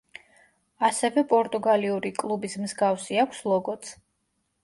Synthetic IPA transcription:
asɛvɛpʼɔɾt̪ʼuɡaliuɾikʼlˠubismzɡafsiakʷʰslˠɔɡɔt̪sʰ

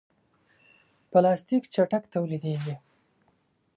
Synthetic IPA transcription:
pəlɑst̪ikt͡ʃaʈakt̪awlid̪eɡi

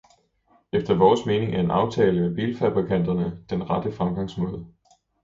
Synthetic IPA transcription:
efd̥ɐʋɒːsme̝ːne̝ŋʔæɐe̝nʔɑ̈ʊt͡sʰɛːləmeb̥iːlfæb̥ʁikʰæn̰d̥ɐnəd̥enʁɑ̈d̥əfʁɑ̈mɡ̥ɑ̈ŋ̰smɔːð̞̩ˠ

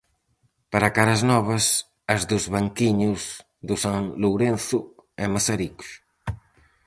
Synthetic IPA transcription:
paɾakaɾɐznɔβ̞ɐs | ɐzðuzβaŋkiɲuz | ðusaŋluwɾenθuɛmasaɾikʃ

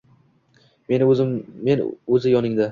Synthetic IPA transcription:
menzɪmːenɵzɪjɒnɪŋd̪a

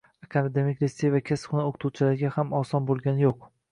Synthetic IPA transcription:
akʰand̪emɪkʲɾesevakʲʰasχʊnaoqʰt̪ʰuwt͡ʃʰɪlaɾɡʲahamɒsɒnbolˠɡʲanɪjoq̚

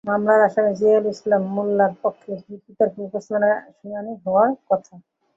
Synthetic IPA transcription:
mamlaɾaʃaned͡ʑealislamːulːaɾpokʰːeik̪it̪aɾfukosnanaʃunaniɦɔoaɾkɔt̪ʰa

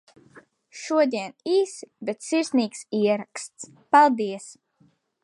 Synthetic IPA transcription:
ʃuɔd̪ʲiɛniːsbet̪siɾsniːksiɛɾakst̪s | palˠd̪iɛs

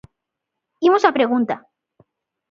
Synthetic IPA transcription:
imosapɾeɣunt̪a

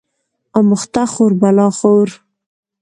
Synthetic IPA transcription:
amʊχt̪aχoɾbalɑːχoɾ

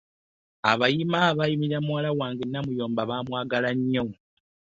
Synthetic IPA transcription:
a̰βajimaβajimiɾamwaːlawaːŋɡenːamujo̞ːmbaβaːmwaːɡalaɲːo̞

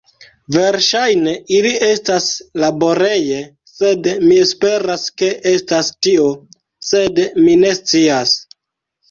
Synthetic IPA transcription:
ve̞ɾʃajne̞iliʔe̞staslabo̞ɾe̞je̞ | se̞dmie̞spe̞ɾaske̞ʔe̞stastio̞ | se̞dmine̞st͡sias

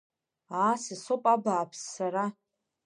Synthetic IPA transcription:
aːsisopʼabaːpʰsːaɾa

